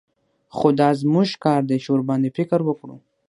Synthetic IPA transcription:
xod̪ɑzmuʒkɑɾd̪eʃoɾbɑnd̪efɪkəɾwəkɽṵ

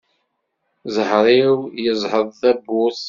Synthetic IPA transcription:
zəhɾˤiwjəzˤhəðˤθæbʊs

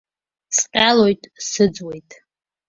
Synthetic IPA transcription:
sqʲʼalo̞jtʼsɨd͡zwejtʼ

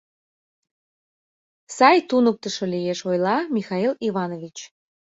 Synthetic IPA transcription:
sɑjt̪unək̚t̪əʃɤlijeʃojlɑmʲixɑiliβɑnovʲit͡ɕ

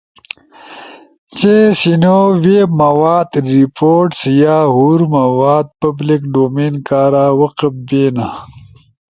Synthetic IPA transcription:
t͡ɕesinoweːmɐwaːd̪ɾipoːʈsjaːɦuɾmɐwaːd̪̚pɐblikɖoːmeːnkaːɾaːwɐqəp̚beːna

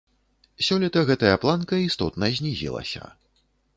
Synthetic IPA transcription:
sʲɔlʲit̪ɐɣɛt̪ɐjɐplˠankɐist̪ɔt̪nɐzʲnʲizʲḭlˠɐ̰sʲɐ̰

